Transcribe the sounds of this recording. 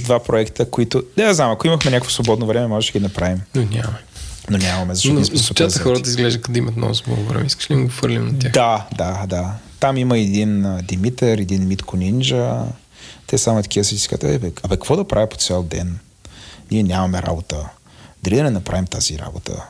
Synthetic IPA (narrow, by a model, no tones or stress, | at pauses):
d̪vapɾoɛkt̪əkoit̪ʊd̪ɛaznamɐkoiməkxmɛnʲakəkvosvobɔd̪novɾɛmɛmɔʒɛʃɛɡʲinɐpɾavimnonʲammɛnonʲamɐmɛzɐʃt̪ɔismsot͡ʃazɐxɔɾət̪əizɡlɛʒd̪kɐt̪oimɐt̪nɔ̰vuzbˠo̰ɡʊvɾɛ̰mɛiskə̥ʃɛlinɡoxɤɾlʲimnɐt̪ʲjaxd̪ad̪ad̪at̪amiməɛd̪ind̪imit̪ɛɾɛd̪inmit̪kʰonʲind͡ʒə | t̪ɛsamʊit̪ɐ̥kʰʲivəsɛisi̥ka̰t̪ɛ̰bɛɐpɛkkvɔd̪ɐpɾavʲipo̥t̪sʲɛlˠd̪ɛ̰n | nʲiɛnʲamɐmɛɾa̰bot̪ə | d̪ɐɾid̪ɐnɛnɐpɾavimt̪aziɾa̰bo̰t̪ʰə̰